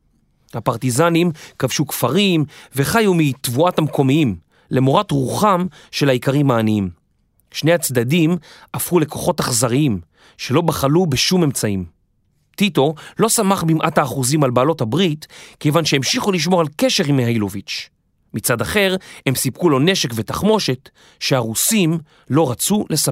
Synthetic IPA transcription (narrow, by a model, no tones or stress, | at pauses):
hapaʁtizanimkavʃukfaʁimve̞χajumitvuathamko̞miim | lemoʁatʁuχam | ʃe̞laikaʁimhaːniim | ʃne̞jhat͡sd̪adimʔafʁule̞ko̞χo̞taχzaʁiim | ʃe̞lo̞baχalubeʃume̞mt͡saim | tito̞lo̞samaχbimʔathaːχuzimalbaːlo̞thabʁitke̞vanʃeemʃiχuliʃ̬mo̞ʁalkeʃe̞ʁimhajlovit͡ʃ | mit͡sadaχe̞ʁhe̞msipkulo̞ne̞ʃe̞kvetaχmo̞ʃe̞t | ʃe̞aʁusim | lo̞ʁat͡sulesa